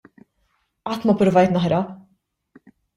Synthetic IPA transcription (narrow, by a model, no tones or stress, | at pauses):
ɐːt̪mɐpɾʊvɐjt̪nɐħɾɐ